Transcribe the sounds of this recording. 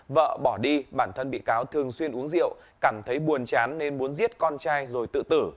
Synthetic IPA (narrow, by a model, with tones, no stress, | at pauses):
və̰ː˧˨ɓɔ˧˩ɗi˧ɓaː˧˩nt̪ʰə˧nɓḭ˧˨kaː˨˦wt̪ʰɨ˨˩əŋswi˧ənʔu˨˦əŋzḭ˧˨əw | kaː˧˩mt̪ʰə˨˦jɓu˨˩ənt͡ɕaː˨˦nːe˧nmu˨˦ənzi˦˥ət̚kɔ˧nt͡ɕaː˧jzo˨˩jt̪ɨ̰˧˨t̪ɨ˧˩